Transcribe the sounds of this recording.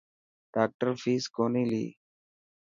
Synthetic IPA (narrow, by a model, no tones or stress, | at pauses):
ɖ̥aːk̚ʈəɾfʰiːskoːniːlḭː